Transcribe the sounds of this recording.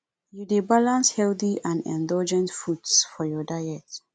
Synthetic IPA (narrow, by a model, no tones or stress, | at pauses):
judebalãnshɛlθiãndɛ̰̃ndɔld͡ʒɛ̃ntfudsfɔjɔdajɛt